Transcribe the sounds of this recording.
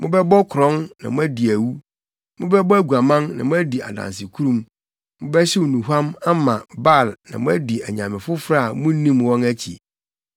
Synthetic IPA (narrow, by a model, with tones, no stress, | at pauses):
mʊ̃˦bɛ˦bɔ˦kʰʊ˨ɾɔ̃˦nnã̰˨mʊ̃˦æ˦di˨æ˨wu˦ | mʊ̃˦bɛ˦bɔ˦æ˦ɡu˨a˨mã˦nnã̰˨mʊ̃˦æ˦di˨a̰˨dã̰˨ns̬ɪ˨kʰu˦ɾũ˨m | mʊ̃˦bɛ˦ɕɪ˦wu˨nũ˨ɦã˦ma˦mã˨ba˦˨lnã̰˨mʊ̃˦æ˦di˨æ˨ɲã˨mɪ̃˨fʊ˦fɾa˦˨mũ˦nĩ˦mwɔ̃˦næ˦t͡ɕʰḭ˨